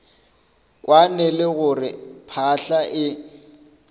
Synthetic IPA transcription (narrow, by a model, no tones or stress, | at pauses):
kʼwanɛlɪɣʊrɪpʰaɬaʔɪ